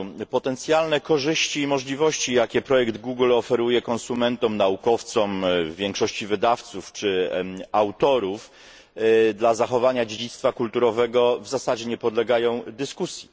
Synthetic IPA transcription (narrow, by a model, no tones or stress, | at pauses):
pɔt̪ɛnt̪sʲjalnɛkɔʐɘɕt͡ɕiːmɔʐlʲivɔɕt͡ɕijakʲɛpɾɔjɛɡd̪ɡuɡlɔfɛɾujɛkɔnsumɛnt̪ɔmnaukɔft̪sɔmvvʲjɛŋkʂɔɕt͡ɕivɘd̪aft̪suft͡ʂɘawt̪ɔɾuf | d̪lazaxɔvaɲad͡ʑed͡ʑit̪st̪fakult̪uɾɔvɛɡɔvzasad͡ʑɛɲɛpɔd̪lɛɡajɔ̃w̃d̪ɘskusʲji